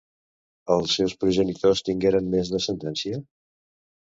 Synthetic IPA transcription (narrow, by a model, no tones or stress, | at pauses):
əlˠsːɛwspɾuʒənit̪ost̪iŋɡeɾənmezðəsənt̪ɛnsiə